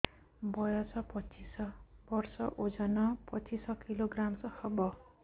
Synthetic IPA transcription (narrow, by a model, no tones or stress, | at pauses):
bʌjʌt͡sʌpʌt͡sisʌbʌrsʌʔod͡zʌnʌpʌt͡sisʌkiloɡramsʌhʌbʌ